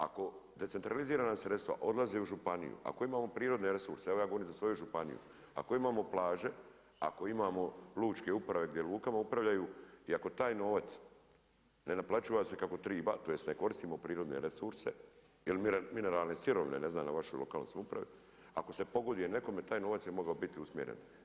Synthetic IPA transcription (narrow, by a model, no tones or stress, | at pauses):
a̰ko̞d̪e̞t̪se̞nt̪ɾaliziːɾanasɾet̪st̪ʋa̰ʔo̞d̪lazeuʒupanḭjṵa̰ko̞imaːmo̞pɾiːɾo̞d̪ne̞ɾe̞suɾseeʋojaːɡo̞oɾimzasʋo̞juʒupanḭjṵ | a̰ko̞imaːmo̞plaːʒe̞ | a̰ko̞imaːmo̞luːt͡ʃke̞upɾaʋe̞ɡd̪je̞luːkamaupɾaʋʎajuːiako̞t̪aːjno̞ːʋat̪s | ne̞naplat͡ʃuːʋase̞kako̞t̪ɾiːba̰t̪oːje̞st̪neko̞ɾist̪iːmopɾiːɾo̞d̪ne̞̰ɾesuɾse̞̰ | ilmmine̞ɾaːlnesiɾo̞ʋinḛne̞znaːmnaʋaʃojlo̞̰kaːlno̰smupɾa̰ʋi | a̰ko̞se̞po̞ɡo̞d̪ijene̞ko̞me̞t̪aːjno̞ːʋat̪sjemo̞ɡaobit̪iusmjeɾḛn